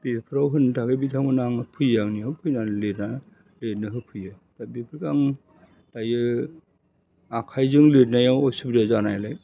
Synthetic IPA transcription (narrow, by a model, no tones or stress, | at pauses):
b̥ipʰɯɾawɦɯntʰaɡɯbitʰaŋmɯnaŋpʰɯjaŋnihɯpʰɯjnalena | letnɯɦɯpʰɯjɯ | dabipʰɯɾkaŋ | dajɯ | akʰajzɯŋletnajawɔsubɾiazanajlaj